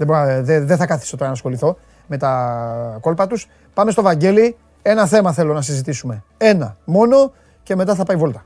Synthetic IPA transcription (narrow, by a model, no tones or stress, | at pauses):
ðeboðeðeθɐkɐθi̥sot̪oɾɐnɐsxo̞liθo̞ | me̞t̪ɐko̞lpɐt̪us | pɐme̞st̪o̞vɐɲɟe̞li | e̞nɐθe̞mɐθe̞lo̞nɐsizit̪isume̞e̞nɐmo̞no̞ | ce̞me̞t̪ɐθɐpɐivo̞lt̪ɐ̥